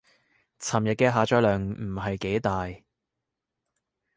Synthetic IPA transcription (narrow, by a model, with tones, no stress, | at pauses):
t͡sʰɐː˨˩mjɐ˨t̚kɛː˧ɦaː˨˧t͡ʃœː˧jlœː˨˩ŋm̩˨˩ɦɐ˨jke˨˥jt̪aː˨j